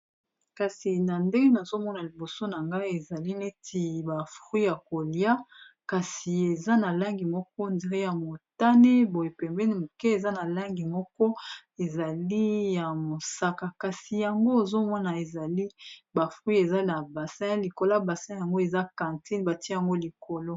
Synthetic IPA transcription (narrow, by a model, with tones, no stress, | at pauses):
ka˨si˨na˨nde˦ŋɡe˦na˨zo˦mɔ˦na˨li˨bo˨so˦na˨ŋɡa˦e˨za˨li˦ne˦ti˨ba˨fʁwi˦ja˨ko˨lja˦ | ka˨si˨e˨za˦na˨la˦ŋɡi˨mɔ˦k̚ɔ˦ndi˨ʁe˦ja˨mo˨ta˦ne˦bo˨je˨pɛ˨mbɛ˦ni˦mo˨ke˦e˨za˦na˨la˦ŋɡi˨mɔ˦kɔ˦ | e˨za˨li˦ja˨mo˨sa˦ka˨ka˨si˨ja˨ŋɡo˦e˨zo˦mɔ˦na˨e˨za˨li˦ba˨fʁwi˦e˨za˦na˨ba˨sɛ̃˦li˨ko˨la˦ba˨sɛ̃˦ja˨ŋɡo˦e˨za˦kã˨nti˦nba˨ti˦a˨ŋɡo˦li˨ko˨lo˦